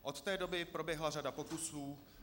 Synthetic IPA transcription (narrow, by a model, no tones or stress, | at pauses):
ʔo̞t̪t̪ɛːdo̞bɪpɾo̞bjɛɦlaradapo̞kusuː